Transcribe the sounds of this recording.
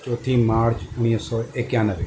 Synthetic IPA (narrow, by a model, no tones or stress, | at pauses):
t͡ʃɔt̪ʰimaːɾt͡ʃʊɽ̃isɔekjãnəʋe